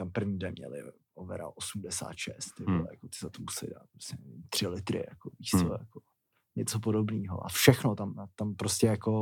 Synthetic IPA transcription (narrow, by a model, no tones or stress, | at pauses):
t̪ampr̩vɲiːdɛnmɲɛ̰lɪ̰ | ʔovɛ̰ɾa̰ʔosumdɛsa̰ːt̪ʃɛ̰st̪t̪ɪbɪla̰jakot̪ɪ̥zat̪omusɛlɪ̰da̰ːt̪̚pɾo̥scɛnɛvit̪ːr̥ɪlɪt̪ɾɪ̰jakoviʃt͡sojako | ɲɛt͡sop̬odobniːɦo̰ʔa̰fʃɛxnot̪amt̪ampɾoscɛjako̞